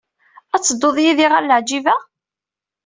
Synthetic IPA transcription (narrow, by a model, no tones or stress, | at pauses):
æt͡sːəd̪ːoðˤjiðiʁæɾləʕd͡ʒivæ